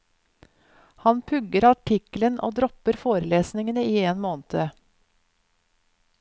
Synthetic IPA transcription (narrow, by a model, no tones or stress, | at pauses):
hɑnpʰʉɡəɾɑʈʰɪklənʔo̰ːd̪ɾɔpəɾfoːɾəleːsnɪŋənəiːeːnmoːnt̪ʰə